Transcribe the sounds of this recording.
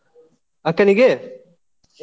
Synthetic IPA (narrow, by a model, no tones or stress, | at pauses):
ɐkɐniɡe